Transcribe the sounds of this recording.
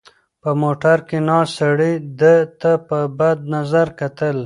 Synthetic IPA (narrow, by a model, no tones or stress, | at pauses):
pəmoʈaɾkenɑsaɽid̪ət̪apəbad̪̚nazaɾkat̪əl